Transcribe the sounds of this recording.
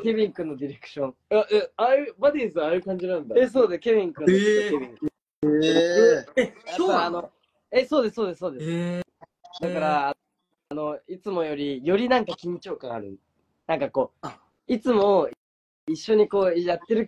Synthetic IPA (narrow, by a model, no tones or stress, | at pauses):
kebʲĩŋkɯ̟̃nːo̞d̪ʲiɾe̞kɯ̥ɕõ̞ŋ | aʔeaɾɯ̟bad̪ʲiːzɨaɾɯ̟kãɲ̟d͡ʑinãnd̪aesoːd̪eskʲeβʲĩŋkɯ̃noebʲĩŋkɯ | ejaoaːno | eso̞ːd̪e̞soːd̪e̞sːoːd̪e̞ss | d̪akaɾaː | no̞it͡sɨmo̞jo̞ɾʲijo̞ɾʲinãŋkakʲimit͡ɕioːkãa̰ɾɯ̟̃n | nãŋkako̞ː | it͡sɨmo̞ | iɕːo̞ɲ̟iko̞ːjat̪ːe̞ɾɯ̟